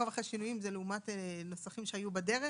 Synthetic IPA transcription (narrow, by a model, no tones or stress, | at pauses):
avaχaʃinujimzeleumat̪eno̞saχimʃeajubadeʁe